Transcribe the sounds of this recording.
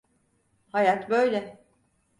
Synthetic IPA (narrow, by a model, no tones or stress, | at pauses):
hajat̪bøjlʲɛ